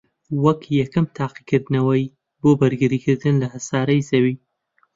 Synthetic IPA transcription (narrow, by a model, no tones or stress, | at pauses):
wɐkʰjɐkɨmt̪ʰaːqikʰɨɾd̪nɐwɐj | boːbɐɾɡɨɾiːkʰɨɾd̪ɨnlɐhɐsaːɾɐjzɐwiː